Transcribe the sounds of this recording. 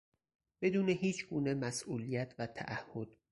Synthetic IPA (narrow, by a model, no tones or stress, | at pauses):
b̥e̞d̪uːneɦiːt͡ʃʰɡuːnemæsʔuːlijæt̪ʰvæt̪ʰæ̰ʔæhːo̞d̪̥̚